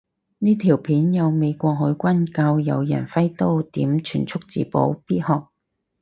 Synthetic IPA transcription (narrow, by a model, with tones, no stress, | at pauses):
niː˥t̪ʰiː˨˩wpʰiː˨˥njɐ˨˧wme˨˧jkʷɔː˧k̚ɦɵ˨˥jkʷɐ˥nkaː˧wjɐ̰˨˧wjɐ̰˨˩nfɐ˥jt̪o˥wt̪iː˨˥mt͡ʃʰyː˨˩nt͡sʰʊ˥k̚t͡sḭː˨˥po̰˨˥wpiː˥t̚hɔː˨˧k̚